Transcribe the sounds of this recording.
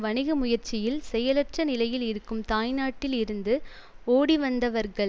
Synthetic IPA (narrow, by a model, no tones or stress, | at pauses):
ʋɐɳɪɣɯmʊjɐɾt͡ʃɪjɪlsɛjɐlɐʈrɐnɪlɐjɪlɪɾɯkːɯmt̪aːjnaːʈːɪlɪɾɯnd̪ɯ | oːɽiʋɐnd̪ɐʋɐɾɣɐɭ